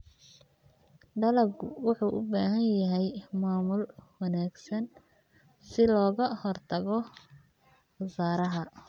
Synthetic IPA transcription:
ɖɐlɐɡʊwɑħuːʔʊ̰baːɦɐnjɐɦɛjmaːmʊlwɐnaːɡsɐn | sɪlɔːɣɐhɔrt̪ʰɐɣɔ | xɐsaːɾɐɦɐ

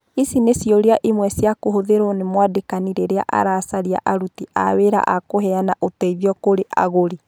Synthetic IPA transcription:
isinesjɔɾeaʔimwɛsjakoɦoðeɾonemwadekaniɾeɾea̰ʔa̰ɾaːsaɾia̰ʔaɾutiʔa̰weɾa̰ʔakoɦɛanaʔotɛiβiɔkoɾeʔa̰ɣoɾi

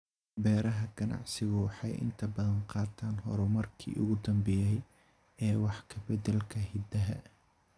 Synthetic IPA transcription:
bɛːɾɐɦɐɡ̥ɐnɑ̰ʕsɪɣʊwɑħɑjʔɪ̰nt̪ʰɐbɐðɐnqɑːt̪ʰaːnɦɔ̰ɾʊmɐrkʰḭːʔʊ̰ɣʊd̪ɐmbɛjɛj | ɛːwɑħkʰɐbɛd̪ɛlkʰɐhɪd̪ɐɦɐ

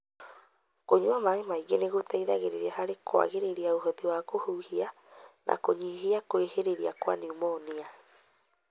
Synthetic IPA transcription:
koɲuamaemaiɣeneɣotʰaiða̰ɣeɾeɾiaɦaɾekʰwa̰ɣeɾeɾiaoɦɔtiwaɣohuːhia | nʔa̰koɲiɦiakoeheɾeɾia̰kwa̰niumonia

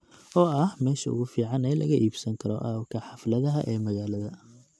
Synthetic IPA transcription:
ʔɔːɐhmɛːʃɐʊ̰ɣʊfiːʕɑnɛːlɐ̰ɣɐʔiːbsɐŋkʰɐɾɔʔɐ̰kʰɐħɑflɐðɐɦɐʔɛːmɐɣaːlɐðɐ

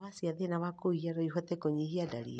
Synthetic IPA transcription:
asiaðenaβakoiiaɾɔiɦɔt̪ɛkoɲihiada̰ɾḭ

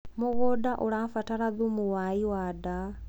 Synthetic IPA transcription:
moɣɔdaʔoɾafataɾaðumuwaiwada

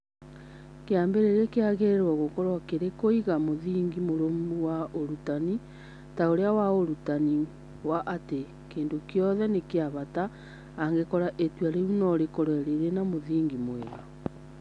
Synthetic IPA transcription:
keambeɾeɾekeaɣeɾwɔɣokɔɾwakeɾekoiɣamoðiːŋɡimoɾomuwaoɾutani | taoɾeawaoɾutani | waʔate | keːndokjɔðɛnekeaβataː | ŋɡekɔɾaʔetwaɾeunɔɾekɔɾwɛɾeɾenamoðiːŋɡimweɣa

